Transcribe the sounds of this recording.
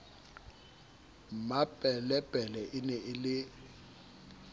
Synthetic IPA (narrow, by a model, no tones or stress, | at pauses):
mabʼɛlɛbʼʱɛlɛʔɪnɛʔɪlɪ